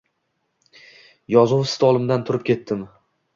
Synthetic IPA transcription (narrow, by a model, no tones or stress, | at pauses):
jɒzuwsɪ̥t̪ʰɒlˠɪmd̪ant̪ʰʊɾɪp̚kʲʰe̞t̪ʰːɪm